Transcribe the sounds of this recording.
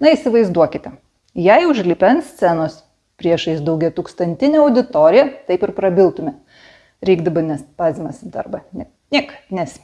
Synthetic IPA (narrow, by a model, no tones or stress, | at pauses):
nɐiːsʲɪʋɐɪzd̪uɔkʲɪt̪ʲɛ | jɛɪʊʒʲlʲiːpʲɛnsʲt͡ssʲænoːs | pʲɾʲiɛʃɐɪsd̪ɐʊɡʲɛt̪uːkst̪ɐnʲt̪ʲɪnʲɛɐʊd̪ʲɪt̪oːɾʲɪjɛt̪ɐɪpɪɾpɾɐbʲɪlˠt̪ʊmʲɛ | ɾʲɛɪɡd̪ɐbɐnʲɛspɑːzʲɪmɐsʲɪd̪ɐɾbɐnʲɛ | nʲiɛkɐnʲɛsʲ